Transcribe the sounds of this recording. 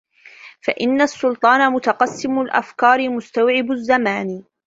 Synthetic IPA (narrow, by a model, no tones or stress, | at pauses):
faʔɪnːasːʊlt̪ˤɑːnamʊt̪ɑqɑsːɪmʊlʔa̰fkɑːɾɪmʊst̪awʕɪbʊzːamaːn